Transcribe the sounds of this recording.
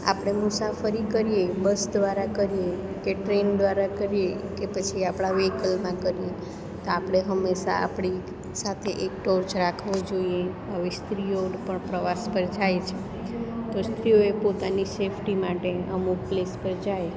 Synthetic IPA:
a̰pɽ̃emusafəɾikəɾijebəsd̪ʋaɾakəɾije | keʈɾend̪ʋaɾakəɾijekepət͡ʃʰiapɽ̃aʋekəlmãkəɾije | t̪oapɽ̃eɦəmːeʃa̰a̰pɽ̃i | sat̪ʰeʔek̚ʈoɾd͡ʒɾakʰʋod͡ʒoie | əʋest̪ɾijoɖpəɳpɾəʋaspəɾd͡ʒajt͡ʃʰe | t̪ost̪ɾijoepot̪anisefʰʈimaʈeəmuɡ̚plespəɾd͡ʒaj

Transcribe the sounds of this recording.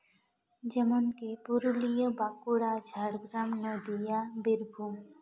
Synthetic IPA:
d͡ʒɛmonkepuɾulijɔbakuɽad͡ʒʱaɽɡɾamnɔd̪ijabiɾbʱum

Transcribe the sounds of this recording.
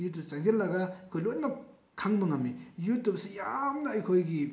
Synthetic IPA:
jut̬upt͡ʃaŋzelːɐɡaɐjkʰojlot̚nɐ | kʰaŋmɐŋɐmːijutup̚sijamnɐːjkʰojɡi

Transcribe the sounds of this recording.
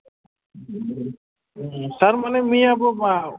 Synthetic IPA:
saɾmanɛmiabɔma

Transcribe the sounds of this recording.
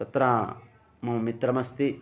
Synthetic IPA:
t̪ɐt̪ɾa | mɐmit̪ɾɐmɐst̪i

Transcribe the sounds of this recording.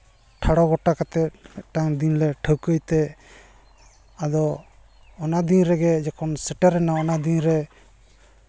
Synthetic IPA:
ʈʰaɽɔɡɔʈakat̪ɛmɛʔ̚ʈaŋd̪inlɛʈʰəwkəjt̪ɛ | ad̪ɔː | nad̪inɾɛɡɛd͡ʒɛkʰɔnsɛʈaɾɛnaɔnad̪iɲɾɛ

